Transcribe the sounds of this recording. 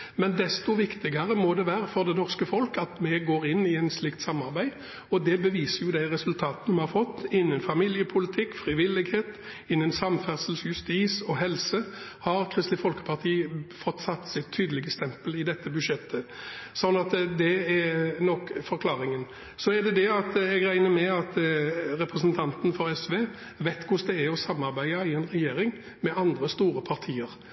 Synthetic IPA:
mɛnd̪ɛst̪ʊʋɪkt̪ɪɡɑʁəmɔd̪ɛʋæːɾəfɔʁd̪ɛnɔʁskəfɔlkɑt̪mɛɡoːʁɪnːɪɛɪnslɪk̚t̪sɑmːɑʁbæɪ | ɔd̪ɛbəʋiːsəʁjʊd̪æɪʁɛsʉlt̪ʰɑːt̪ənmɛhɑɾfɔt̪ːɪnːənfɑmiːljəpʰʊlɪt̪ʰɪkːfʁɪʋɪlːɪɡheːt̪ | ɪnːənsɑmfæʁsəlsjʉst̪iːsɔɦɛlsəhɑɾkʰʁɪst̪lɪfɔlkə̥pʰɑʁt̪ʰiːfɔt̪ːsɑt̪ːsɪt̪ʰːyːd̪əlɪɡəst̪ɛmpəlɪd̪ɛt̪ːəbʉdʃjɛt̪ːə | sɔnːɑt̪d̪ɛɛɾnɔkːfɔɾkʰlɑːɾɪŋən | sɔɛʁd̪ɛd̪ɛɑt̪ɛɡʁæɪnəmɛɑt̪ɾɛpɾəsnt̪ʰɑnt̪n̩fɔɾɛsʋeː | ʋɛɪt̪kʰʊsd̪ɛæɔsɑmːɑʁbæɪɑɪɛɪnʁɛjeːɾɪŋ | mɛɑnd̪ʁəst̪uːɾəpʰɑʁt̪ʰiːəɾ

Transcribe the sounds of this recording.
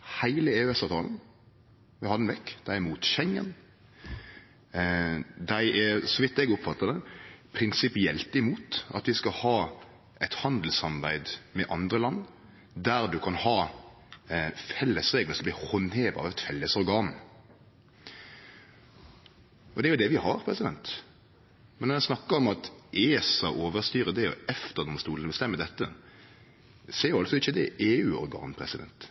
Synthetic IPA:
hæɪləeːʉɛsɑːʋt̪ʰɑ̰ːln | ʋɪhɑd̪nʋɛkːd̪æɪɛmuːt̪ʃɛŋə̰n | d̪æɪʔɛɾsɔʋɪt̪ːɛɡʊpfɑt̪ːəd̪əpʰɾɪnsɪpɪɛlt̪ɪmuːt̪ɑ̰t̪ʋɪskɑhɑː | ɛɪt̪hɑnd̪l̩sɑmbæɪd̪mɛʔɑnd̪ʁəlɑnː | d̪æʁd̪ʉkʰɑnhɑː | fɛlːəsʁeːɡləsɔmb̪ihɔnheːʋɑ̰ʋɛt̪fɛlːəsɔɾɡɑːn | ʔɔd̪ɛæɾjʊd̪ɛʋɪhɑɾpʰɾɛsɪd̪ɛnt̪ | mɛnɔɛsnɑkːəɾɔmɑt̪ʔeːsɑʔoːʋəʁst̪yːɾəd̪ɛɔ̰ɛft̪əʁd̪ɔmst̪uːlnəbəst̪ɛmːəd̪ɛt̪ːə | seːɾjʊɑlsɔɪçːəd̪ɛʔeːʉːɔ̰ɾɡɑ̰ːnpʰɾɛ̰sɪd̪ɛ̰nt̪

